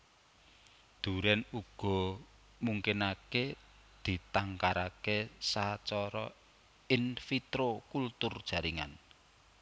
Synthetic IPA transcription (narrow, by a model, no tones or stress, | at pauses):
d̪̥ṳɾɛnuɡ̥ɔ̤ | muŋkɪnake | d̪̥i̤t̪aŋkaɾakesat͡ʃɔɾɔ̰ | ɪnfit̪ɾokult̪ʊrd̥ʒ̥ä̤ɾiŋa̰n